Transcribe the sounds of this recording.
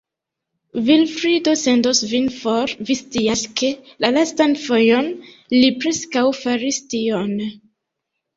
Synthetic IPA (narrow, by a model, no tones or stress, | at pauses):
vilfɾidose̞ndosvinfoɾvistiaskʰe̞lalastanfo̞jo̞nlipɾe̞skawfaɾistion